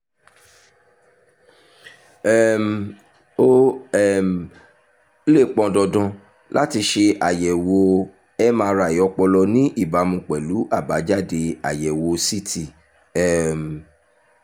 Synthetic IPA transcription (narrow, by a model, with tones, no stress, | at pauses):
ɛ˦˨m | o˦˨m | le˦˨k͡pɔ̃˧dɔ˧dɔ̃˧ | la˦ti˧ʃe˧ʔa˨jɛ˨wo˧ | ɛ˦mãː˧ɾa˨i˨˦ɔ˧k͡pɔ˧lɔ˧nĩ˦ʔi˦˨ba˨˦mũ˧˨k͡pɛ˨lu˨˦ʔa˦˨ba˨˦d͡ʒa˦˨de˧a˨jɛ˨wo˧si˦tʰi˦˨ | ɛ˦˨m˨